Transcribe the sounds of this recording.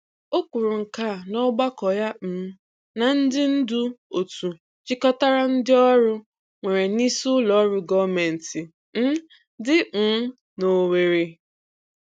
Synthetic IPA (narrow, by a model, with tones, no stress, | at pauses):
o˦kʷu˨ɾʊ˨ŋ̩˨ka˦˨nɔ˦ɡ͡ba˦kɔ˨ja˦m̩˨˦ | na˨n̩˦dɪ˦n̩˦du˦o˨tu˨ | t͡ʃɪ˦kɔ˦ta˦ɾa˦n̩˦dɪ˦ɔ˦ɾʊ˦ | ŋʷe˨ɾe˨ni˦su˦lɔ˨˦ɾʊ˦ɡɔ˦˨me˨n̩˨tɪ˨ | n̩˦ | dɪ˦˨˦ | no˨we˨ɾi˨